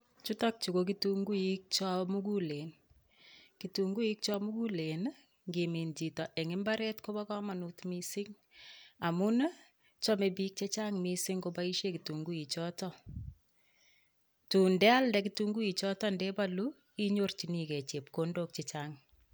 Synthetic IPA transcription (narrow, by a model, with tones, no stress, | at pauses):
t͡ʃu˦tɔk̚t͡ʃu˨kok̬ituŋɡu˦ik̚t͡ʃɔ˦mu˦ku˦le˨n | ki˨tu˨ŋɡu˦i˦k̚t͡ʃɔ˦mu˦ku˦le˨n | ŋɡimi˨nd͡ʒi˨tɔ˨ʔe˨ŋɪ˦mba˦ɾe˦tko˦bɔ˦kɔ˦ma˨nutmi˦sɪ˦ŋ | a˨mu˦n˦ | t͡ʃɔ˦me˨bik̚t͡ʃe˦t͡ʃa˦ŋmisɪŋko˦ba˦i˦ʃe˦ki˨tu˨ŋɡu˦i˨t͡ʃɔ˦tɔ | tu˨ndɛ˦a˦lndɛk̬ituŋɡu˦i˨t͡ʃɔ˦tɔ˦nde˦ba˦lu | i˦ɲort͡ʃi˨nikɛ˨t͡ʃe˨p̚ko˦ndo˦k̚t͡ʃe˨t͡ʃaŋ